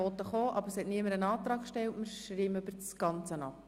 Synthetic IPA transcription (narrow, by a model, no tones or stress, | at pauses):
ɔt̪əχoːʔɑbəɾshɛtniəməɾənɑːt̪ɾɑːkʃtɛwtmɪɾʃriːmøb̥əɾsɡ̥ɑnt͡sənɑp